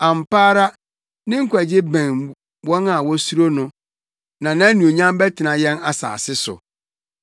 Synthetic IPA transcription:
ã˨m˨paː˦ɾa˦ | nɪ̃˦ŋ̩˦kʷʰæ˨d͡ʑɪ˦bæ̃˨n | wɔ̃˦na˨wɔ˦su˦ɾo˦nʊ̃˦ | nã˨nã˦nũ˨o˨ɲã˦m˦bɛ˦tʰɪ˨nã˨jɛ̃˦na˦sa̰ː˨sɪ˦sʊ̰˨

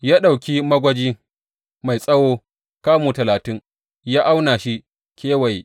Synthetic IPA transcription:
jaː˦ɗa˨wkʲi˦mɐ˦ɡʷɐ˦d͡ʒiː˦ | ma˨jsʼɐ˦woː˦ | kaː˦muː˨tɐ˨laː˨tɪ˦ŋ | jaː˦ʔa˦wnaː˨ʃi˦ | kʲeː˦wa˨j

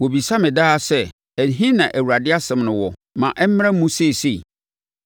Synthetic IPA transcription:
wɔ˨bi˨sa˦mɪ̃˨daː˦sɛ˦ | æ˨n˨ɦĩ˦nã˨ʔæ˨wu˨ɾa˨dɪ˦a˦sɛ̃˨mnʊ̃˨wɔ˨mã̰˨ʔɛ˦m˦m˦a˦mũ˦se˦˨se˦˨

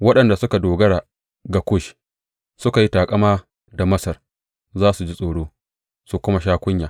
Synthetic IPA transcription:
wɐ˦ɗɐ˨nda˨sʊ˦ka˨doː˨ɡɐ˦ɽaː˨ | ɡa˨kʷʊ˦˨ʃ | sʊ˦ka˨ji˦taː˨kʼɐ˦maː˦ | da˨mɐ˦sɐ˨r | zaː˦su˨d͡ʒi˦sʼoː˨ɽoː˦ | su˨kʷʊ˦ma˦ʃaː˦kʷʊ˦ɲjaː˨

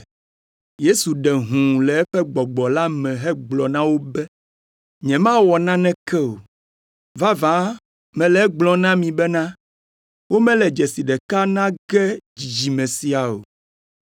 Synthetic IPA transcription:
je˦su˨ɖɛ˨ɦũ˨lɛ˨ɛ˦ɸɛ˦ɡ͡bɔ˨ɡ͡bɔ˨la˦mɛ̃˨ɦɛ˦ɡ͡blɔ˨nã˦wo˦bɛ˦ | ɲɛ̃˨mã˦wɔ˨nã˦nɛ̃˦kɛ˦o˨ | va˦vã˦ | mɛ̃˨lɛ˨ɛ˦ɡ͡blɔ̃˨nã˦mĩ˨bɛ˦nã˦ | wo˦mɛ̃˦lɛ˨d͡ʒɛ˨si˨ɖɛ˨ka˦nã˦ɡɛ˦d͡ʑi˨d͡ʒi˨mɛ̃˨si˨a˨o̰˨

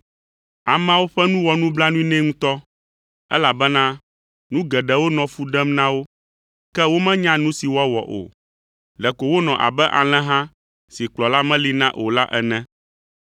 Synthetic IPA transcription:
a˨mɛ̃˦a˦wo˦ɸɛ˦nũ˦wɔ˨nũ˦bla˦nũ˦i˦nɛ̃˦ŋũ˦t̪ɔ˦ | ɛ̰˦la˨bɛ˦nã˦ | nũ˦ɡɛ˨ɖɛ˨wo˦nɔ̃˨fu˦ɖɛ˦mnã˦wo˦ | kɛ˦wo˦mɛ̃˦ɲã˦nũ˦si˨wɔ˦wɔ̰˨ʔo̰˨ | lɛ˨ko˨wo˦nɔ̃˨ʔa̰˨bɛ˦ʔa̰˨l̃ɛ̃˦ɦã˦ | si˨k͡plɔ˨la˦mɛ̃˦li˦nã˦ʔo˨la˦ʔɛ˨nɛ̃˦

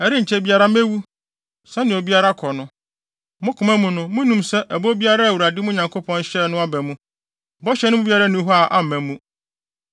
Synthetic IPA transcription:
ɛ˨ɾɪ˦ɲ̩˨t͡ɕʰɛ˦˨bi˦a˦ɾa˦mɛ˦wu˦ | sɛ̃˦nɪ̃˨o˨bi˦a˦ɾa˦kʰɔ˨nʊ̃˦ | mʊ̃˦kʰʊ̃˨mæ̃˦mũ˨nʊ̃˦mʊ̃˦nũ˦msɛ˦ʔæ˨bo˦bi˦a˦ɾa˦æ˨wu˨ɾa˨dɪ˦mʊ̃˦ɲã˨ŋkʰo˦pʰɔ̃˦n˦ɕɛ˦˨nʊ̃˦a˦bɛ˨mũ˦ | bɔ˦ɕɛ˦nʊ̃˦mʊ̃˦bi˦a˦ɾa˦nʊ̃˦ɦɔ˦a˨ʔa˦m̩˨mæ̃˨mũ˦

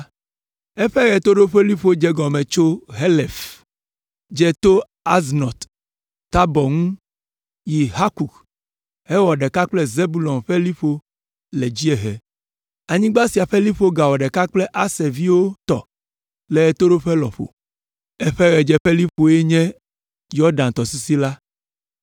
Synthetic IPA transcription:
ɛ˦ɸɛ˦ɣɛ˨t̪o˦ɖo˦ɸe˦li˦ɸo˦d͡ʒɛ˦ɡɔ˨mɛ̃˨t͡ʃo˦ɦɛ˦lɛ˨f | d͡ʒɛ˦t̪o˦ | a˦znɔ˨t̪ː | a˦bɔ˨ŋũ˦ | ji˨ɦa˦ku˨k | hɛ˦wɔ˨ɖɛ˨ka˦k͡plɛ˦ze˦bu˦lɔ˨mɸɛ˦li˦ɸo˦ | lɛ˨d͡ʑi˦ɛ˨ɦɛ˨ | a˨ɲĩ˦ɡ͡ba˦si˨a˨ɸɛ˦li˦ɸo˦ɡa˨wɔ˨ɖɛ˨ka˦k͡plɛ˦ʔa˦se˨vi˦wo˦t̪ɔ̰˨ | lɛ˨e˨t̪o˦ɖo˦ɸe˦lɔ̰˨ɸo̰˨ | ɛ˦ɸɛ˦ɣɛ˨d͡ʒɛ˦ɸe˦li˦ɸo˨e˦ɲɛ̃˦ | jɔ˦ɖã˨nt̪ɔ˨si˦si˦la˦

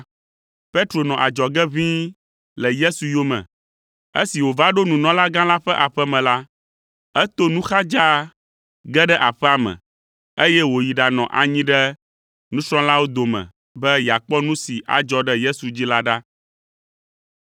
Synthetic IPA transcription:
pe˦t̪ɾo˨nɔ̃˨ʔa˨d͡ʒɔ˨ɡɛ˦βĩ˦ | lɛ˨je˦su˨jo˦mɛ̰̃˨ | ḛ˦si˨wo˨va˦ɖo˦nũ˨nɔ̃˨˦la˦ɡã˦la˦ɸɛ˦ʔa˨ɸɛ˦mɛ̃˨la˦ | ɛ˦t̪o˦nũ˦xa˦d͡ʒa˦ | ɡɛ˦ɖɛ˦ʔa˨ɸɛ˦a˨mɛ̰̃˨ | e˦jɛ˦wo˨ji˨ɖa˨nɔ̰̃˨ʔa̰˨ɲĩ˦ɖɛ˦ | nũ˦sɾ̃ɔ̃˦la˦wo˦d̪o˨mɛ̰̃˨ | bɛ˦ja˨k͡pɔ˦nũ˦si˨ʔa̰˨d͡ʒɔ˦ɖɛ˦je˦su˨d͡ʑi˦la˦ɖa˦

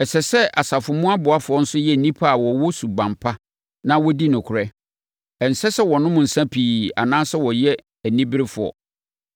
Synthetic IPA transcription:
ɛ˨sɛ˨sɛ˦ʔa˨sa˨fʊ˨mʊ̃˦a˦bʊ˨a˦fʊ˨ɔ˦n̩˦sʊ˦jɛ˦˨nĩ˦pʰa˦a˨wɔ˨wɔ˦su˨ɡ͡bã˨mpʰa˦ | nã˦wɔ˦di˦nʊ̃˨kʰʊ˨ɾɛ˦ | ɛ˨n̩˨sɛ˦sɛ˦wɔ˨nʊ̃˦mʊ̃˨n̩˨sã˦pʰiː˨a̰˨nãː˦sɛ˦wɔ˨jɛ˦ | æ˨nĩ˦bɪ˦ɾɪ˦fʊ˨ɔ̰˨

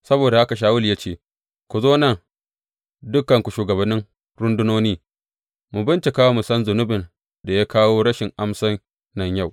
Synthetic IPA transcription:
sɐ˦boː˨da˨ʔa˦ka˨ʃ̬aː˦wʊ˦lja˦t͡ʃeː˦˨ | kʷu˨zoː˦nɐ˦˨ŋ | dʊ˦kɐ˨ŋkʷu˨ʃuː˨ɡɐ˨bɐ˨nːɪ˦ŋ | ɾʊ˦ndʊ˦noː˦niː˦ | mu˨bɪ˦nt͡ʃe˨kaː˦wo˦mʊ˨sɐ˦nzʊ˨nʊ˦bɪ˨n | da˨ja˦kaː˦woː˦ɽɐ˦ʃɪ˨ŋʔa˦msɐ˦n | nɐ˨ɲja˦˨w

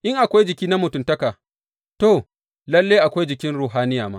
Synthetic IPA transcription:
ʔɪ˦ŋʔa˨kʷa˦jd͡ʒɪ˨kʲiː˦na˦mʊ˨tʊ˦mtɐ˦kaː˨ | to˦˨ | lɐ˦lːeː˦jʔa˨kʷa˦jd͡ʒɪ˨kʲɪ˦nɽuː˨ɦaː˦nɪ˦jaː˨maː˦

